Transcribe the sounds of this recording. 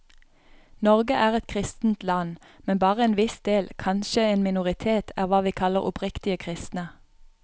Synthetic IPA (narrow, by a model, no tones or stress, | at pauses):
nɔʁɡəʔæːʁɛt̪kʰʁɪst̪n̩t̪lɑn | mɛnbɑːʁəeːnʋɪsd̪eːlkʰɑnʃəeːnmɪnʊʁɪt̪ʰeːt̪ʰæ̰ːʁʋɑːʋiːkʰɑləʁɔ̰pʁɪkt̪ɪəkʰʁɪst̪nə